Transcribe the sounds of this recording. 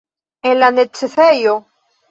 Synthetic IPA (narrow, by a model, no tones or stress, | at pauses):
elanet͡sːeθejo